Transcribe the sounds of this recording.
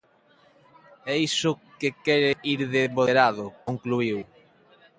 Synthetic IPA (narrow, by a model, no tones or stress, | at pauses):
ɛisʊkekɛɾeʔiɾðeβoðeɾaðʊkoŋkluiw